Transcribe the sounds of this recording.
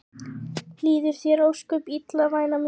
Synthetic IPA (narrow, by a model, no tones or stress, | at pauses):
liːðɪɾ̥θjɛɾowskʏpit̪lavaːjnam